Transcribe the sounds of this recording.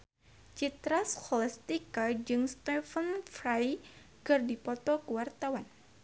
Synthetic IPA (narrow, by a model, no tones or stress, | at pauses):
t͡ʃit̪ɾashɔlɛst̪ikad͡ʒɨŋst̪ɛfənfɾaj | kɨrdipɔt̪ɔkuwart̪awan